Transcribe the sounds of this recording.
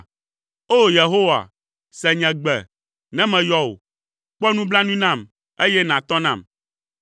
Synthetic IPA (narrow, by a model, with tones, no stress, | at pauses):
o˦je˨ɦo˦wa̰˨ | sɛ˨ɲɛ̃˨ɡ͡bɛ̰˨ | nɛ̃˦mɛ̃˨jɔ˦wo̰˨ | k͡pɔ˦nũ˦bla˦nũ˦nã˦˨m | e˦jɛ˦nã˨t̪ɔ˦nã˦˨m